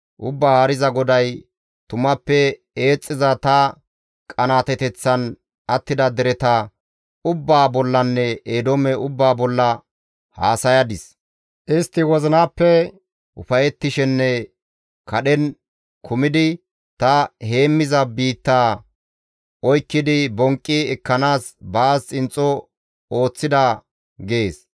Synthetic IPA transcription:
ʔʊbːahɐɾɪzɐɡɔd̪ɐj | t̪ʊmɐpːɛ | e̞ːt͡sʼːɪzɐt̪ɐ | kʼɐnaːt̪ɛt̪ɛt͡sːɐn | ʔɐt̪ːɪd̪ɐd̪ɛɾɛt̪ɐ | ʊbːaːbɔlːɐnːɛeːd̪omɛʊbːaːbɔlːɐ | ha̰ːsɐjɐd̪ɪs | ʔɪst̪ːɪwɔzɪnaːpːɛ | ʔʊfɐjɛt̪ːɪʃɛnːɛ | kʰɐɗɛn | kʰʊmɪd̪ɪ | t̪ɐhe̞ːmːɪzɐbiːt̪ːaː | ʔɔjkːɪd̪ɪbɔŋkʼːɪɛkːɐnaːsbaːst͡sʼɪnt͡sʼːɔ | o̞ːt͡sːɪd̪ɐ | ɡe̞ːs

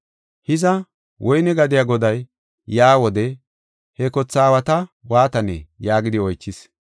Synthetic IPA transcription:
hɪzɐ | wʔɔjnɛɡɐd̪ɪjaːɡɔd̪ɐjː | aːwɔd̪ɛ | hɛkɔt͡sːaːwɐt̪ɐwaːt̪ɐnɛ̰jaːɡɪd̪ɪɔjt͡ʃːɪs

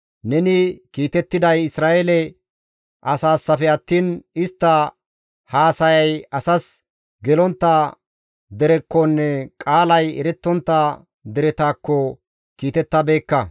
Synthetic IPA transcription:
nɛnɪkiːt̪ɛt̪ːɪd̪ɐjɪsɾaːʔelɛ | ʔɐsaːsːɐfɛɐt̪ːiːnɪst̪ːɐ | haːsɐjɐjɐsɐs | ɡɛlɔnt̪ːɐ | d̪ɛɾɛkːɔnːɛkʼaːlɐjɛɾɛt̪ːɔnt̪ːɐ | d̪ɛɾɛt̪aːkːɔ | kiːt̪ɛt̪ːɐbeːkːɐ

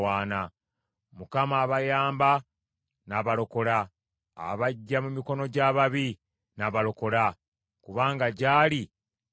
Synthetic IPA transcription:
waːna | mukamaːβajaːmba | naβaɾo̞ko̞ɾa̰ː | βaɟːamumiko̞no̞ɟaːβaβi | naβaɾo̞ko̞ɾa | kuβaːŋɡaɟaːli

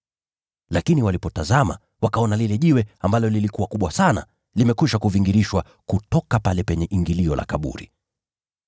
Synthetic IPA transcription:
lakiniwalipɔtazama̰ | wakaɔnalilɛʄiwɛambalɔlilikuwakuɓwasana̰ | limɛkuʃakuviŋɡiɾiʃwa | kutɔkapalɛpɛɲɛʔiŋɡiliɔla̰kaɓṵɾḭ

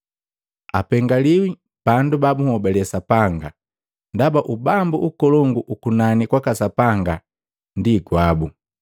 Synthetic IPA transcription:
apɛŋɡaliwi | b̥andubabuhɔbɛlɛsapaŋɡa | ndabaʔubambuʔukɔlɔŋɡuʔukunanikwakasapaŋɡa | ndiɡwabu

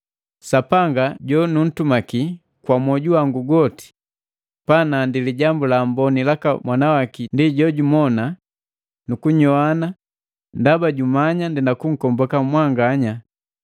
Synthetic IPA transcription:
sapaŋɡaɟɔnun̩tumaki | kwamɔɟuwaŋɡuɡɔti̥ | panandiliɟambulambɔnilaka̰mwanawakindiɟɔɟumɔna | nukuɲɔana | ndabaɟumaɲandinakuŋ̩kɔmbɔkamwaŋɡaɲa

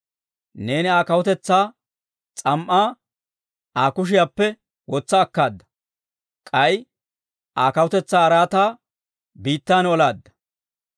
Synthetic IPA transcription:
ne̞ːnɪaːkɐwɔt̪ɛt͡sːaː | t͡sʼɐmʔaː | ʔaːkʊʃ̬ɪjaːpːɛ | wɔt͡sːɐːkːaːd̪ːɐ̥ | kʼɐj | ʔaːkɐwʊt̪ɛt͡sːaːɾaːt̪aː | biːt̪ːaːnɔlaːd̪ːɐ̥

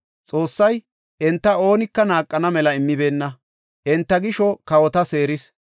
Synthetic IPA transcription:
t͡sʼo̞ːsːɐj | ʔɛnt̪ːɐo̞ːnɪkːɐnaːkʼːɐnɐmɛlɐɪmːɪbe̞ːnːɐ | ʔɛnt̪ːɐɡɪʃɔkɐwɔt̪ɐse̞ːɾɪs

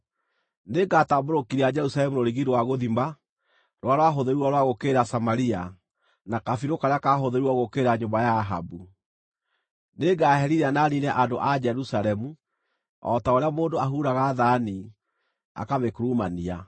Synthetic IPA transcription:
neɡataboɾokiɾiad͡ʒɛɾusalɛmuɾoɾiɣiɾwaɣoðimba | ɾwaɾwaɦoðeɾuɔɾwaɣokeɾasamaɾia | nakafiɾokaɾeakaɦoðeɾuɔɣokeɾaɲobajaːɦa̰bu | neɡaɦɛɾiɾananinɛʔandoʔad͡ʒɛɾusalɛmu | ɔ̰taoɾeamoːndoaɦuːɾaɣaðani | a̰kamekuɾumania

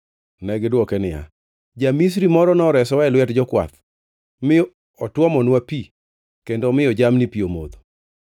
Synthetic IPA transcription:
nɛɡdwɔkɛnɪja̰ | d͡ʒamis̬ɾimɔɾɔnɔɾɛsɔɛlwɛtd͡ʒɔkwa̰t̪ | mɪ | ɔtwɔmɔnwapi | kendɔmɪjɔd͡ʒamnipiomo̰d̪o

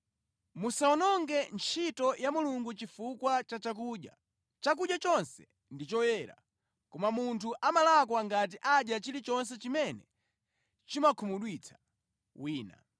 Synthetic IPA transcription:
musaɔnɔŋɡɛnt͡ʃʰitɔjamuluŋɡut͡ʃifukwat͡ʃat͡ʃak̬uːʄja̰ | t͡ʃak̬uʄjat͡ʃɔnsɛ | ndit͡ʃɔwɛɾa̰ | kɔmamuntʰuʔamalakwaŋɡat̬iʔaʄjat͡ʃilit͡ʃɔns̬ɛt͡ʃimɛnɛ | t͡ʃimakʰumuɗwit͡sʰḁ | wiːna̰

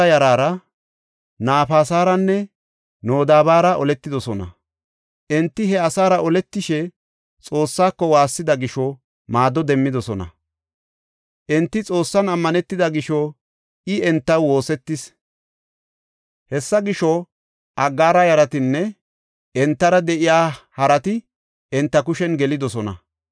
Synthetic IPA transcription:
ɐjɐɾaːɾɐ | naːfaːsaːɾɐnːɛ | noːd̪aːbaːɾɐʔɔlɛt̪ːɪd̪ɔsɔnɐ̰ | ʔɛnt̪ːɪɦɛɐsaːɾɐʔɔlɛt̪ːɪʃɛ | t͡sʼo̞ːsːaːkːɔwaːsːɪd̪ɐɡɪʃɔ | maːd̪ɔd̪ɛmːɪd̪ɔsɔnɐ̰ | ʔɛnt̪ːɪt͡sʼo̞ːsːɐnɐmːɐnɛt̪ːɪd̪ɐɡɪʃɔ | ʔɪɛnt̪ːɐwwo̞ːsɛt̪ːɪs | hɛsːɐɡɪʃɔ | ʔɐɡːaːɾɐjɐɾɐt̪ɪnːɛ | ʔɛnt̪ːɐɾɐd̪ɛʔɪjaːhɐɾɐt̪ɪ | ɛnt̪ːɐkʊʃɛnɡɛlɪd̪ɔsɔnɐ̰

